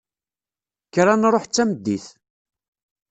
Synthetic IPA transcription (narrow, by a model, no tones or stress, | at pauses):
kɾanɾˤoħt͡sːæmd̪ːiθ